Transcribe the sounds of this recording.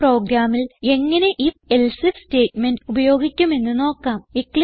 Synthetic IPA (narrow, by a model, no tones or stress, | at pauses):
pro̞ːɡɾaːmile̞ŋːɐne̞ʔifelsɨsteːtme̞ndubɐjo̞ːɡikʲːume̞nːɨno̞ːkːaːmikli